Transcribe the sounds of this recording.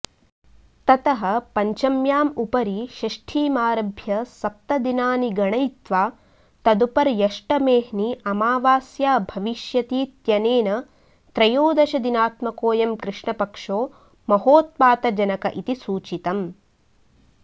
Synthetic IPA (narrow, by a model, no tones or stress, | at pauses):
t̪ɐt̪ɐɦɐpɐɲt͡ʃɐmjaːmupɐɾiʃɐʂʈʰiːmaːɾɐbʱjɐsɐp̚t̪ɐd̪inaːniɡɐɳɐjt̪ʋaː | t̪ɐd̪upɐɾjɐʂʈɐmeːɦniʔɐmaːʋaːsjaːbʱɐʋiʃjɐt̪iːt̪jɐneːnɐ | t̪ɾɐjoːd̪ɐʃɐd̪inaːt̪mɐkoːjɐmkɾɨʂɳɐpɐkʂoː | mɐɦoːt̪̚paːt̪ɐd͡ʒɐnɐkɐʔit̪isuːt͡ʃit̪ɐm